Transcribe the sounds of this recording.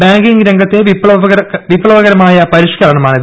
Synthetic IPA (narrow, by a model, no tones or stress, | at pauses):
baːŋɡiŋɡɾeŋɡɐt̪ːeʋipɭɐʋɐɐʋipːɭɐʋɐɣɐɾɐmaːjɐpɐɾiʂkɐlɐɳɐmaːɳið